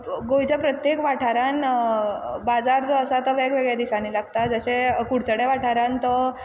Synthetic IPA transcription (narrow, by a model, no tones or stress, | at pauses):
ɡojt͡ɕapɾət̪jekʋaʈʰaɾan | bad͡zaɾd͡zoəsat̪əʋeɡʋeɡɭjad̪isanilaɡt̪ad͡zəɕẽkuɽt͡səɽeʋaʈʰaɾãnt̪ɔ